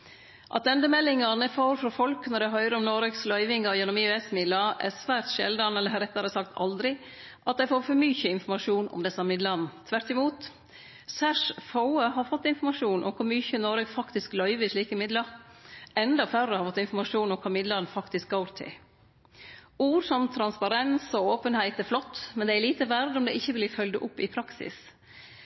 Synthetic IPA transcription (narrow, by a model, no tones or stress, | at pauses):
ʔɑ̰t̪ɛnd̪əmɛlːɪŋɑnɛfoːɾfɾɔfɔlknɔɖɛɦœʏɾəɔmnoːɾəɡslœʏʋɪŋɑjɛnːʊmiːʉɛsmɪd̪lɑʔæ̰sʋæːɾt̪ʃɛ̰ld̪ɑnɛlːəhɑɾɛt̪ːɑɾəsɑkt̪ʰɑ̰ld̪ɾɪ | ʔɑt̪̚d̪æɪfoːɾfɔɾmyçəɪnfɔɾmɑʂuːnɔ̰md̪ɛsɑmɪd̪lɑnt̪ʰʋæɾʈ̪ːɪmuːt̪ | sæʂfaʊəɦɑɾfɔt̪ːɪnfɔɾmɑʂuːnʔɔ̰mkʰʊɾmyçənɔɾəɡfɑkt̪ɪsklœʏʋəʂɭiːkəmɪd̪lə | ɛnd̪ɑfœɾəhɑɾfɔt̪ːɪnfɔɾmɑʂuːnɔmkʰɑːmɪd̪lɑnfɑkt̪ɪsk̚ɡɑʊɾt̪ʰɪ̰ | uːɾsɔmt̪ʰɾɑnspɑɾɛnsɔoːpənhæɪt̪æflɔt̪ːmɛnd̪ɛæɾliːt̪əʋæɾd̪ɔmd̪ɛʔɪçːəʋɪlɪfœld̪əʔʊpːɪpʰɾɑksɪ̰s